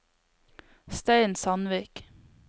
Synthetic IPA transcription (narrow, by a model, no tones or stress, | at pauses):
st̪eɪnsɑnʋiːk